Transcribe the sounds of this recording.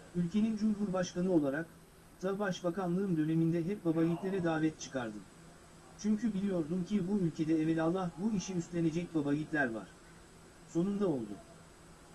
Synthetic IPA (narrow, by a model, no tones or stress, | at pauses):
ylʲcʰe̞nind͡ʒumɦuɾbaʃkanɯo̞lˠaɾak | d̪̥abaʃbakanlˠɯɯmd̪ø̞ne̞mind̪ɛɦɛp̚babaɟit̪lʲe̞ɾɛd̪aːvɛt̪̚t͡ʃʰɯ̥kʰaɾd̪ɯ | t͡ʃʰyɲcybilʲijo̞ɾd̪umcʰibuylʲcʰe̞d̪ɛɛvɛlʲalˠːahbuiʃiyst̪lʲe̞ne̞d͡ʒɛc̚babaɟit̪lʲæɾva̰ɾ̥ | so̞nund̪ao̞lˠd̪ṵ